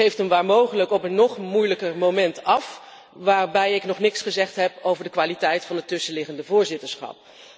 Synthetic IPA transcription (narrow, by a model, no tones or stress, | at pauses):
χejftənʋaːɹmowχələkɔpənːɔχmujləkəɹmowmɛntɑf | ʋaːɹbɛjɪknɔχnɪksχəzɛχtɦɛpowvəɹdəkʋaːlitɛjtfɑnɦətːɵsəlɪχəndəvʊːɹzɪtəɹsχɑ̰p̚